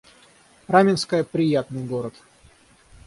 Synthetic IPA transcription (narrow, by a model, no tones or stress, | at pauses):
ramʲɪnskəjəpɾʲɪjat̪nɨjɡo̞ɾət̪